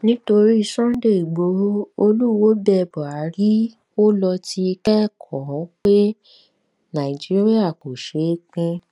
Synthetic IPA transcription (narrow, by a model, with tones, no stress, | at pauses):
nĩ˦to˧ɾi˦i˧sɔ̃˦de˦˨i˨ɡ͡bo˨˦o˧lu˦wo˨˦bɛ˦˨bɔ˨a˨˦ɾi˦ | o˦lɔ˧ti˧kɛ˦˨kʰɔ̃˨˦k͡pe˦ | nã˨i˨d͡ʒi˦ɾi˦a˦˨ko˨ʃe˨˦k͡pĩ˧